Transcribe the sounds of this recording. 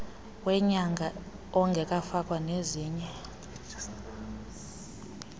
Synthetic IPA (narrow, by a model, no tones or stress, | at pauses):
wɛɲaŋɡʱa | ɔŋɡʱɛkʼafak̬ʼwaneziːɲɛ